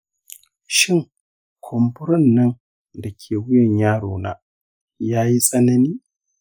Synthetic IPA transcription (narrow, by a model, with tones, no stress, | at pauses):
ʃɪ˦˨ŋ | kʷʰɔ˨mbʊ˦ɾɔ˦nːɐ˦n | da˨kʲʰeː˨wʊ˦jɐ˨ɲjaː˦ɽoː˨na̰ː˦ | jaː˦ji˦sʼɐ˦nɐ˦niː˦